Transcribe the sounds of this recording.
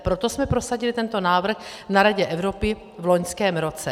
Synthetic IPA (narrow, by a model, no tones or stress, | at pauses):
pɾot̪o̞smɛpɾo̞saɟɪlɪt̪ɛnt̪o̞naːvr̩x | naɾaɟɛʔɛvɾo̞pɪ | vlo̞ɲskɛːmɾo̞t͡sɛ